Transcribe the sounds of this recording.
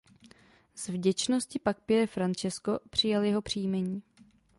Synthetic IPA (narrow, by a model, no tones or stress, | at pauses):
z̥vɟɛt͡ʃno̞scɪpak̚pɪɾɛfɾant͡ʃɛsko̞pr̝̥ɪjaljɛɦo̞pr̝̥iːmɛɲiː